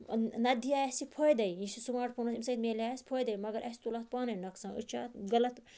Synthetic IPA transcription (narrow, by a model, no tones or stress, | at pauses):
nɐd̪ijaːjɛsipʰojd̪ɐjĩsisumaːʈ̚pʰɐnusimsɐjt̪meːlʲaːjspʰoːjd̪ɐjmɐɡɐɾʔɐsʲt̪ulɐt̪̚paːnɐjnɐksãːṵt͡ʃʰa̰ːt̪ɡɐlɐt̪